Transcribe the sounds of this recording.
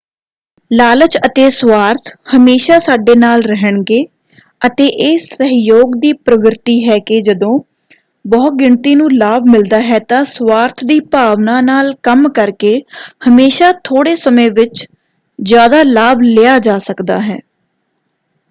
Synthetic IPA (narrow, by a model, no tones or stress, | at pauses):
laːlət͡ʃət̪eːswaːɾt̪ʰhəmeːʃaːsaːɖeːnaːlɾəɦəɳɡeː | ət̪eːʔɪːsːəɦjoːɡd̪iːpɾəʋɾɪt̪iːɦɛːkɪd͡ʒəd̪õː | bɔːt̪̚ɡɪɳt̪iːnũːlaːbmɪld̪aːɦɛːt̪ãːsʋaːɾt̪ʰd̪iːpaːʋnãːnaːlkəmkəɾkeːhəmeːʃaːt̪ʰoːɽeːsəmẽːʋɪt͡ʃ | zjaːd̪aːlaːblɪjaːd͡ʒaːsəkd̪a̰ːɦɛː